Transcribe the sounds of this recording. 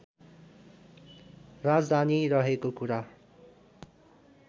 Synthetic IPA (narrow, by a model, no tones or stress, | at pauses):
rad͡zd̪ʱaniɾʌɦekokuɾa